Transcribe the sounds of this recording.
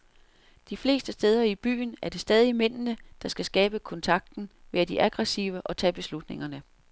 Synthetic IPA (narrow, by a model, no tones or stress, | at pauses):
d̥ifle̝̰ːsd̥əsd̥eːð̞ˠɐib̥y̰ːn̩æɐd̥e̝sd̥ɛːð̞ˠimen̰nəd̥ɑ̈sɡ̥æsɡ̥ɛːb̥əkʰɔ̽nt͡sʰɑ̈ɡ̥̚d̥n̩ʋe̝ɐd̥iʔæɡ̥ʁɛsḭʊəʔɒ̽t͡sʰɛ̰ːb̥e̝slud̥ne̝ŋɐnə